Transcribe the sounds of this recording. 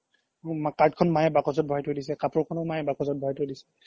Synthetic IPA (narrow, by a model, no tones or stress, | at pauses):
makaɹtkʰɔnmajɛbakɔzɔt̚bʱɔajtodisɛkapɔɹkʰɔnɔmajɛbakɔzɔt̚bʱɔajtodisɛ̥